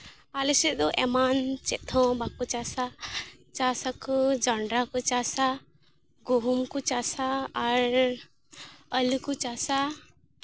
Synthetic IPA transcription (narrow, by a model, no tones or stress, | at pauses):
alɛsɛd̪ɔʔɛmant͡ʃɛt̪ʰɔ̃bakut͡ʃasat͡ʃasakɔd͡ʒaɳɖɾakɔt͡ʃasa | ɡuɦumkut͡ʃasaːɾ | əlikut͡ʃasa